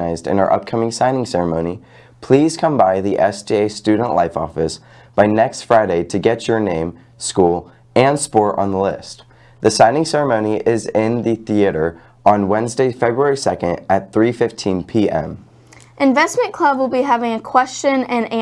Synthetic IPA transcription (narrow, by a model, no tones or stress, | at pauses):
aɪzdɨ̰̃nəə̰˞ʔʌ̰p̚kʰʌmɪ̃ŋsãɪ̃nɪ̃ŋsɛɹɨmõʊ̃ni | pʰl̥iz̥kʰʌ̃mbaɪðiʔɛsdieɪstʉdⁿn̩ʔlaɪfɔ̰fɨs | b̥aɪnɛkstfɹaɪɾeɪɾɨɡɛt͡ʃə˞nẽɪ̃m | skulˠ | ɨ̃nspɔɹɾ̃n̩ðəlɪst̪ | ðɨsãɪ̃nɪ̃ŋsɛɹəmõʊ̃niʔɪzɪ̃nðɨθiɨɾə˞ | ə̃nwɛ̃nzdeɪfɛbɹuɛɹisɛkɨ̃ndɨt̪̚θɹifɪftʰĩnpʰiʔɛ̰̃m | ʔɨ̃ɱvɛsmɨ̃nkʰl̥ʌbwəlˠbiɦævɪ̃ŋɨkʰw̥ɛst͡ʃɨ̃nɨ̃n